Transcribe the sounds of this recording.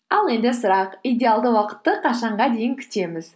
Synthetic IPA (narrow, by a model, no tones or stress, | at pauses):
ɑlˠe̞nd̪ɪsʊɾɑqijd̪ʲe̞alˠd̪əwɑqə̥t̪ːəqʰɑʃɑɴʁɑd̪e̞jɪŋkʲʰʏ̥t̪e̞mɪz